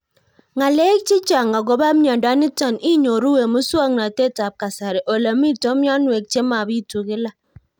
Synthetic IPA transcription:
ŋa˨le˦k̚t͡ʃɪ˦t͡ʃa˨ŋa˨ɡo˨ba˦mja˨nda˨˦ni˦ta˨ni˦ɲo˨ɾu˦we˨mu˦swa˦ŋna˨te˦ta˨p̚ka˨sa˨ɾɛ˨ʔo˨la˨mi˦to˦mja˦nwe˨k̚t͡ʃe˦ma˨bi˦˨tu˨kɪ˦la˦

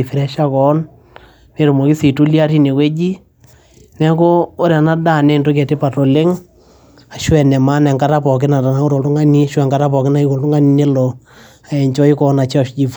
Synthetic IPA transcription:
i˨fɪ˨ɾɛ˦ʃa˦kɔ˨˦n | me˨ɾʊ˨mo˨ki˦si˨tu˦li˦a˦ɾi˦ne˨kwe˦d͡ʒi˦ | nɛ˦koː˦ɾa˨na˦da˦˨nɛ˦˨nto˦kɛ˨te˦pa˨tɔ˨lɪ˦ŋ | a˨ʃwɛ˨nɛ˨ma˦nɛ˨ŋka˦ta˦pɔ˨kɪ˦na˨ta˨na˦ʊ˦ɾo˨ltʊ˦ŋa˦ni˦ʃwɛ˨ŋka˦ɾa˦pɔ˨kɪ˦na˦i˦ko˨ltʊ˦ŋa˦ni˦ne˦lɔ˨ | a˨jɛ˨ɲt͡ʃɔ˦i˦kɔ˦na˨t͡ʃɔ˨ʃd͡ʒi˨f

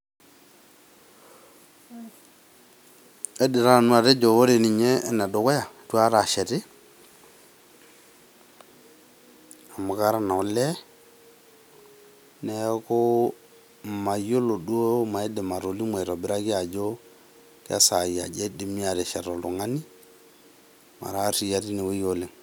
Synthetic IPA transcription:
e˦di˨ɾa˦˨nu˦a˨ɾe˦d͡ʒo˨wo˦ɾe˨ni˨ɲeː˦na˨do˨˦kɔ˦ja˨tu˦a˦ɾa˨ʃɛ˨ɾɪ˦ | a˨mu˨ka˦ɾa˦na˨u˨˦lɛ˦ | nɛ˨˦ko˦ | ma˨jo˦lo˨du˦o˦ma˨i˦de˨ma˨ɾo˨li˦mwe˨ɾo˨bi˦ɾa˦ɡi˦ja˨d͡ʒo˦ | ka̰˦sa˨a̰˨d͡ʒe˦di˨mi˦a˨ɾɛ˨ʃɛ˨ɾo˨lu˨ŋa˦ni˦ | ma̰˨ɾa˦ɾi˨ja˦ɾi˦ne˨we˦jo˨le˨ŋ

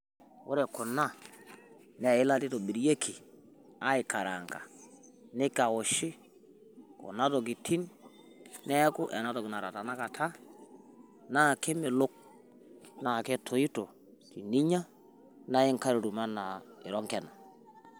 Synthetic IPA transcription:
wo̰˦ɾɛ˨kʊ˨na˦˨ | nɛ˨ɪ˦la˦tɪ˦to˨bi˨ɾje˦kʰi˨ | a˦ɪ˨ka˨ɾa˨ŋɡa̰˨nɪ˦ka˨o˨ʃɪ˦ | kɔ̰˨na˦to˨k̬ɪ˨tʰi˦n | nɛ˦kʊ˦ʔɛ˨na˦to˨kɪ˨na˨ɾa˨ta˨na˦ka˨tʰa˦ | na˦˨ke˦mɪ˨lʊ˦k̚ | na˨kɛ˦tʰo˨i˦to˨ | ki˨ni˦ɲa˦ | na˦ɪ˦ŋka˦ɾo˨ɾu˨ma˦na˨ɪ̰˨ɾɔ˦ŋkɛ˨na˨

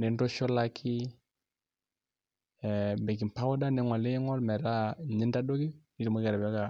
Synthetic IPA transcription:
ne˨ndo˦ʃɔ˦la˦kʰi˦˨ | bɛ˨ki˨mpa˦wɔ˦da˦nɛ˨˦ŋɔ˨le˦ŋɔ˦lmɛ˨ɾa˦ɲi˦nda˦do˦ɡi˦ni˦ɾi˨mu˦ɡɛ˨ɾa˨ba˦ka˨

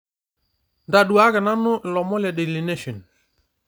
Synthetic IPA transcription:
nda˨ɗu˨a˦ɣɛ˨na˦nʊ˦ʔlɔ˨mɔ˦lɛ˨de˨li˨ne˦ʃɔ˨n

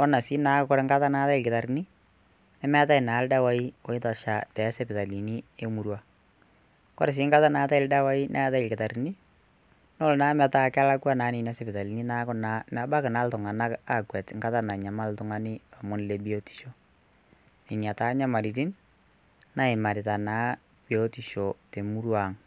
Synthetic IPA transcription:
ɔ˦na˨si˦na˨˦kkɔ˦ɾe˨ŋɡa˦ta˦na˨˦ta˦ɪ˨lkɪta˨ɾi˨ni˦ | nɛ˦mɛ˦ta˦ɪ˨na˨˦lda˦wa˦i˦ɔ˨˦ɪ˦ta˨ʃa˨tɛ˨˦se˦pɪ˨ta˨li˨ni˦e˦mu˨ɾwa˦˨ | kɔ˦ɾe˨s̬ɪː˦ŋɡa˦ta˦naː˨˦ta˦ɪ˨lda˦wa˦i˦nʔɛ̰˦ta˦ɪ˨lkɪ˨ta˨ɾi˨ni˦ | no˦lnaː˦ma˨ta˦˨ka˦la˦kwa˦naː˨˦ni˨n˦a˦se˦pɪ˨ta˨li˨ni˦na˨˦kʊna˨ma˨ba˦kɪ˨na˨˦ltʊ˨ŋa˨na˦ka˨kwɛ˨tŋɡa˦ta˦na˨ɲa˨ma˦ltʊ˨ŋa˦nɪ˦a˨mʊ˦nle˨bi˦o˦ti̥˨ʃo˦ | ni˨nja˨taː˦ɲa˦ma˨ɾi˨ti˦n | na˦ɪ˨ma˨ɾɪ˨ta˨naː˦ | bi˨o˦ti˨ʃo˨te˨mu˦ɾwa˨ŋ

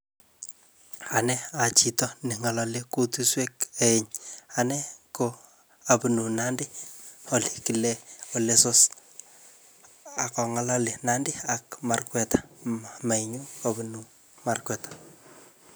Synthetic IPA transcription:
a˨nɛ˦a˨t͡ʃi˨tɔ˦ne˨ŋa˨lɔ˨le˦ko˦tu˦swe˦ke˦ɪ˨ɲa˨nɛ˦ko | a˨pnu˨na˦ndi˦o˨li̥˨ki˨le˦o˨le˦so˦s | a˨kɔ˨ŋa˨˦la˦le˨na˦ndi˦a˨kma˨rkwɛ˨tḁ˨ma˨iɲu˦ka˨bunu˨ | ma˦rkwɛ˨tḁ

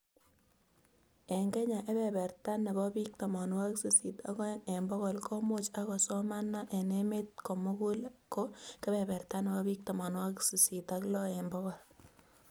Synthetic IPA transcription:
ɛ˨ŋɡe˦ɲa˨ʔe˦bɛ˨bɛ˨rta˦nːe˨bɔ˦pi˦k̚tɔ˨mɔ˨nwa˦ksu˨si˨ta̰˦kɔ˦e˨mbɔ˦kɔ˨lko˦mo˦t͡ʃa˦kɔ˨sɔ˦ma˦nːa˦ʔe˨ne˦me˦t̚ko˨mo˦ku˦lko˦ke˦bɛ˨bɛ˨rta˦ne˨bɔ˦bi˦k̚tɔ˨mɔ˨nwa˦ksu˨si˨ta˨klɔ˦ɛ˨mbɔ˦kɔ˨l

